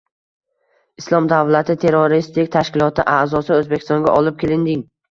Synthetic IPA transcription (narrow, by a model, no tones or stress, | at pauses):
ɪslˠɒmd̪avlat̪ʰɪt̪ʰe̞ɾoɾist̪ɪkʲt̪ʰaʃkʲɪlˠɒt̪ʰɪʔazɒsɪɵzbekʲʰɪst̪ɒŋɡʲa̰ʔɒlɪp̚kʲelɪnd̪ɪŋ